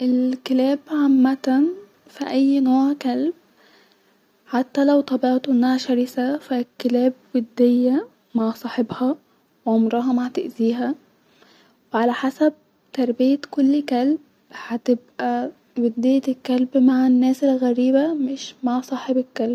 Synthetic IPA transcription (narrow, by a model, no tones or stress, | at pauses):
ʔelkelæːbʕamːæt̪æn | fiʔæjːnoːʕkælb̚ | ħat̪ːælæwt̪ˤɑbeʕt̪oʔenːæhæʃæɾisæfækːelæːb̚wed̪ːejːæ | maʕsˤɑːħebhɑ | wʕomɾɑɦɑmahat̪eʔziːɦæ | weʕalæħasæb̚ | t̪ɑɾˤbɪjekolːkælb | hat̪ɪbʔæ | wed̪ːɪj̪kːælbmaʕanːæːselɣæɾiːbæmɪʃmaʕsˤɑːħebekːælb̚